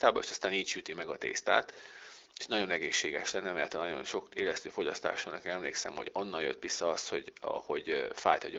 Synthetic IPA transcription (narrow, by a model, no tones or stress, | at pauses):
t̪aːbɒḛːʃɒst̪aːniːcʃyt̪imɛɡɒt̪ḛːst̪a̰ːt̪ | e̥ʃnɒɟo̞nɛɡeːʃːeːɡɛʃlɛnːɛmɛɛrt̪ɒnɒɟo̞̰nʃo̞keːlɛst̪øːfo̞ɟɒst̪a̰ːʃolnɛkenɛmleːksɛ̰mho̰̥ɒnːɒnjø̰t̪ʋisːɒɒst̪ho̞̰ɟɒ̰ho̞ɟfa̰ːjt̪ɒɟo